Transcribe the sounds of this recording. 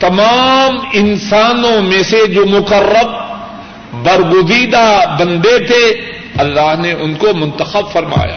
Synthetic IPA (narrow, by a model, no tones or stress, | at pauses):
t̪ɐmaːmɪnsaːnõmẽsed͡ʒoːmʊkərːəb̚ | bɐɾɡʊziːd̪abɐ̃nd̪et̪ʰe | ɐlːaːɦneʔʊnkomʊ̃nt̪əxəbfɐɾma̰ːja̰ː